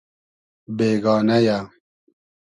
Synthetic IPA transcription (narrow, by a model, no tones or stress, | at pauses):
beːɡɑːnaja